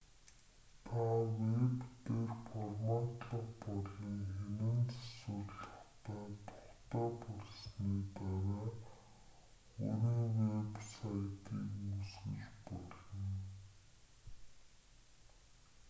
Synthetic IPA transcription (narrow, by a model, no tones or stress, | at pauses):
t̪ʰawept̪eːrfɔrmat̪ɮə̆qpɔɮiŋxenɘ̆nt͡sḁswɵ̆rɮə̥̆χt̪æːt̪ʰɔ̥χt̪æːpɔɮsniːpæːɾaː | o̰ɾiːŋwepsajt̪iːkmusɡɘ̰̆ɮpɔɮɞ̆n